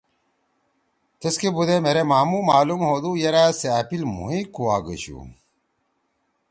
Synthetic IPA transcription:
t̪ɐskebud̪emeɾemaːmumaːlumhoːd̪uːjɐɾaːseapilmṵɦĩkuwaːɡɐɕṵ

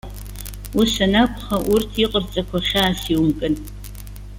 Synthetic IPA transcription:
ʊsɐnɐkʷʰʼχɐʔʊrtʰiqʼərt͡sʼɐkʷʰɐχʲaːsiwmkʼɨn

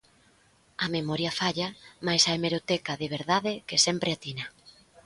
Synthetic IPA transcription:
ɐmemɔɾjɐfaʎamajsaemeɾot̪ekaðeβ̞eɾðaðɪkesɛmpɾʔeat̪inɐ

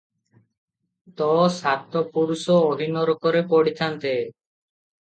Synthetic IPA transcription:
t̪ɔsat̪ɔpuɾusɔoɦinɔɾɔkɔɾepoɽit̪ʰant̪e

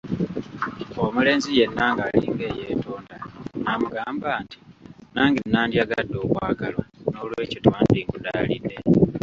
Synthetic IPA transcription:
omule̞ːnzije̞nːaŋɡalḭːŋɡe̞ːje̞ːtoːndanamuɡaːmbaːnti̥naːŋɡinːaːndjaɡadːo̞ːβwaːɡalwano̞lwe̞ːcitwaːndikudaːlḭdːe̞

